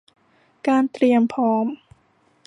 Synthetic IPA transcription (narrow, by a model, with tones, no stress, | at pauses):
kaː˧nt̪ɾi˧əmpʰɔː˦˥m